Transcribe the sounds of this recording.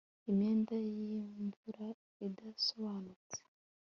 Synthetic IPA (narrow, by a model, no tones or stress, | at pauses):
imɲe̞ːndajiɱvuɾa | idasoβaːnut͡se̥